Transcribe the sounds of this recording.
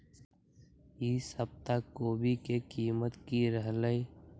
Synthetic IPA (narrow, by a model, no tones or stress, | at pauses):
jiːsəb̚t̪akoːbʱikekiːmət̪kiɾəɦləi